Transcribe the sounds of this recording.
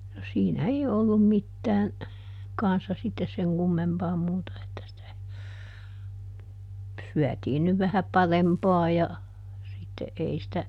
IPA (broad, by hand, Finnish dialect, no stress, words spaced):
no siːnæ ei oˑlːum mitːæːn kɑnsːɑ sitːes seŋ kumːempɑː muːtɑ etːæ sitæ syætiːn nyʋ ʋæhæ pɑrempɑː jɑ sitːe ʔei sĭtæ